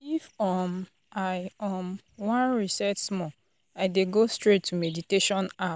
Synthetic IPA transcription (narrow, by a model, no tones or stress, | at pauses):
ifɔm | ajɔm | wãnɹisɛtsmɔ | aɪdeɡostɹetʰːumediteʃɔ̃na